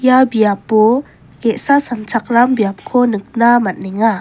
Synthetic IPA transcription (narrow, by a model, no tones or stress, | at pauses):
jabiap̚ːu | keʔsasant͡sʰak̚rambijap̚kʰonɯk̚namat̚nɛŋa